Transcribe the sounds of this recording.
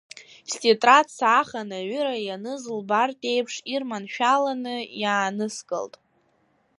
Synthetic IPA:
stʲʼetʼratsaχanaɥʏɾajanɨzlbartʼe̞jpʰʂirmanʃᶣalanɨjaːnɨskʼɨ̰ltʼ

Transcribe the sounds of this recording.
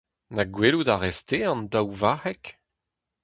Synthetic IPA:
naɡweludaʁɛst̪eɑ̃ndawvahɛk

